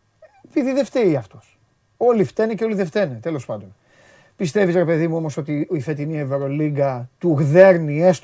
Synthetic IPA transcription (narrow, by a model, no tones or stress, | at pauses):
epiðiðe̞ft̪eiɐft̪os | o̞lift̪eneceo̞liðeft̪enet̪e̞lo̞spɐnd̪o̞n | pist̪e̞vizɾe̞pe̞ðimuo̞mo̞so̞t̪iifet̪inieveɾo̞liɡɐt̪uɣðe̞ɾniest̪